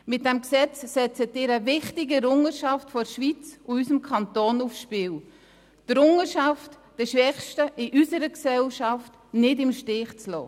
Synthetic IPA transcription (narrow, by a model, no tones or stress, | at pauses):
mɪt̚dɛmksɛt͡ssɛt͡sətɪːɾəvɪχtɪɡəɾʊŋəʃɑftfɔɾʃvit͡sʊysəmkʰɑntoːnufsʃpɪːw | d̥ɾʊŋəʃɑft | d̥ɛʃʋɛχʃtəʔɪʔysəɾəksɛlʃɑft | nɪdɪmʃtɪːχt͡slɔ̰ː